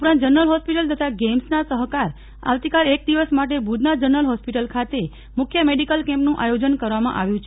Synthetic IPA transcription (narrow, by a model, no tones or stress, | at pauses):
upɾant̪d͡ʒəɾnəlɦɔspiʈəlt̪ʰət̪aɡemsnasəɦkaɾ | a̰ʋt̪ikalek̚d̪iʋəsmaʈ̬ebʱud̪nad͡ʒəɾnəlɦɔspiʈəlkʰat̪e | mʊkʰjəmeɖikəlkɛ̃mpnũʔajod͡ʒənkəɾʋamã̰ʔaʋjũt͡ʃʰ